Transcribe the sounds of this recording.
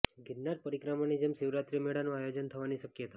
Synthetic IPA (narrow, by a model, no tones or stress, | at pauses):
ɡɪnnːaɾ̚pəɾikɾamanid͡ʒemsɪʋɾat̪ɾimeɽanũajod͡ʒənt̪ʰəʋaniʃəkjət̪ḁ